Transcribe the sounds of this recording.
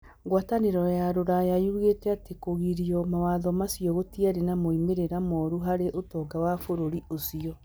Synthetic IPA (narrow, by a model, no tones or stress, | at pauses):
ɡwataneɾɔjaɾoɾajajuɣetɛatekoɣiɾiɔmawaðɔmasiɔɣotiaɾenamoimeɾeɾamɔɾuɦaɾeʔotɔːɡawafoɾoɾiʔosiɔ